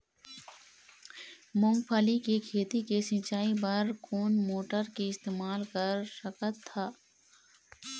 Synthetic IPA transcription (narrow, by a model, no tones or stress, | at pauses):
mʊ̃ŋɡpʰaːlikikʰeːt̪ikesɪ̃t͡ʃaːipɐɾkʰoːnmoːʈəɾkiɪst̪eːmaːlkəɾsəkət̪ʰːaː